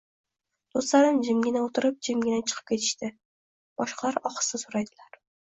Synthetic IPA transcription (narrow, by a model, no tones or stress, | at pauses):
d̪̥ost̪laɾɪmd͡ʒɪmɡʲɪnaot̪ʰɪɾɪp̚d͡ʒɪmɡʲɪnat͡ʃʰɨ̥qʰɨ̥p̚kʲe̞t̪ʰɪ̥ʃt̪ɪ | b̥ɒʃqʰɑlaɾɒχɨ̥sɪsoɾajd̪ɪlaɾ